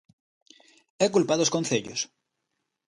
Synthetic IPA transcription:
ɛkulpaðoskonθeʎos

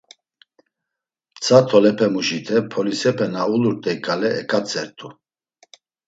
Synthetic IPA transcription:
t͡sʰat̪ʰɔlɛpʰɛmuʒit̪ʰɛpʰɔlisɛpʰɛnauluɾt̪ʼɛikʼalɛɛkʼat͡sʼɛɾt̪ʰʼu

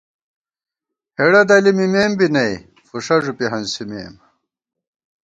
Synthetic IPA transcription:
heɽɐd̪ɐlimimeːmbinɐj | fuʂɐʐupiɦɐnsimḛːm

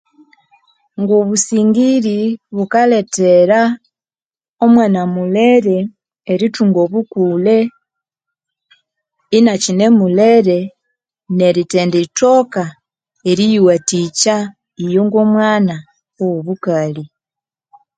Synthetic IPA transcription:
ŋɡoβusiːŋɡiɾiβukaleteɾa | omwaːnamuleɾeː | ɾituŋɡoβukule | inacine̞muleɾe | ne̞ɾiteːndeto̞ka | eɾijuwatica | ijoŋɡomwaːna | owoβukali

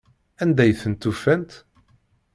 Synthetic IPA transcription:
ænd̪æjθənt̪ːufænt̪

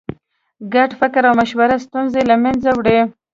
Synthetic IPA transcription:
ɡaʈfɪkɾawmaʃwaɾast̪unzelamanzawɽe

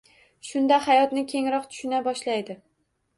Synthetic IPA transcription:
ʃʊnd̪ahajɒt̪nɪkʲʰe̞ŋɾɒqt̪ʰʊ̥ʃɪnabɒʃlajd̪ɪ

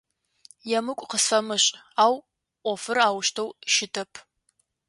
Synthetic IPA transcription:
jɛmɨkʷʼqəsɐmɨɕʼaːw | ʔʷɔfɨraːwʃtʰɐwʃɪtʰɐpʰ

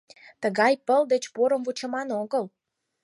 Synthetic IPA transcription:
t̪əɣɑjpəld̪et͡ɕpoɾəmvut͡ɕə̆mɑnoɣəl

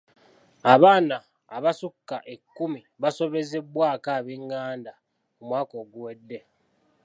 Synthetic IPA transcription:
aβaːnaː | βasukːaʔe̞kːumi | βaso̞βe̞ze̞bwaːkaːβeŋɡaːnda | umwaːko̞ːɡuwe̞dːe̞

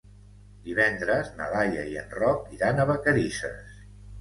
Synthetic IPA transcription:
d̪iβɛnd̪ɾəznə̰ðajəiə̰nrɔk̚iɾanəβəkəɾisə̰s

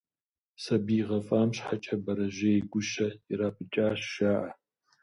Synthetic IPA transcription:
sɐbiːʁɐfʼaːmɕħat͡ʃʼɐbɐɾɐʒɐjɡʷʊʃɐiraːpʰɨt͡ʃʼaːɕːaːʔɐ

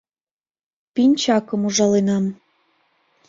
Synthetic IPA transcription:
pinʲt͡ɕɑkɤ̆muʒɑlenɑm

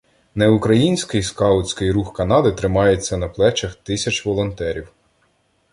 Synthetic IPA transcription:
neʊkɾɐjinʲsʲkɪjskɑʊt͡sʲkɪjɾuxkɐnɑd̪ɪt̪ɾɪmɑjet͡sʲːɐnɐplˠɛt͡ʃɐxt̪ɪsʲɐt͡ʃʋɔlˠɔnt̪ɛɾʲiw

